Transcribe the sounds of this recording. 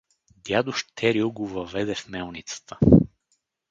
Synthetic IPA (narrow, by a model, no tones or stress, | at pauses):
d̪jad̪ʊʃt̪ʰɛɾioɡovɐvɛd̪ɛfmɛlˠnit̪sə̥t̪ʰə̥